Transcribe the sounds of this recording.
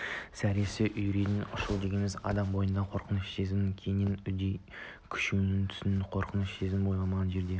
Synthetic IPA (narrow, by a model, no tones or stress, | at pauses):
sæɾesɪʔʏjɾed̪ɪnʔʊʃʊlˠd̪e̞ɡʲe̞nmɪzɑ̰d̪ɑmbo̞jənd̪ɑqʰo̞ɾqʰənəʃt̪ezɪmŋkʲʰejnɪnʏd̪ej | kʲʰʏ̥ʃunɪŋt̪ʰʏ̥sɪnɪqʰo̞ɾqʰənəʃt̪ezɪmbo̞jlˠɑmɑʁɑnʒe̞ɾd̪e̞